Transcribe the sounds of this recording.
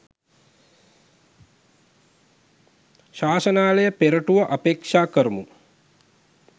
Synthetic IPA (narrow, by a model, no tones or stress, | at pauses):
ʃaːsənaːlejəpeɾəʈuʋəʔapekʂaːkəɾumu